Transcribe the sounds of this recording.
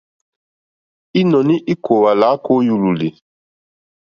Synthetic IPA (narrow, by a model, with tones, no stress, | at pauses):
i˦nɔ˨ni˦ʔi˦kʰo˨wa˨la˨˦ko˦ju˨lu˨li˨